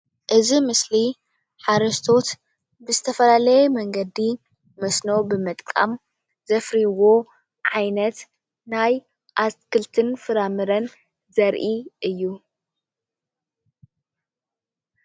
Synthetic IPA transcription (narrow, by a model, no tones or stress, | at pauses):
ʔɨzimɨsli | ħaɾɐst̪ʰo̞t̪ | bɨzɨt̪ʰɐfɐlalɐjɛmɐŋɡɐd̪i | mɐsno̞bɨmɨt̪ʼkʼa̰m | z̥ɐfɾiwo̞ | ʕajnɐt̪ | naj | ʔaskʰɨlt̪ʰɨnfɨɾamɨɾɐn | zɐɾʔiʔɨjːu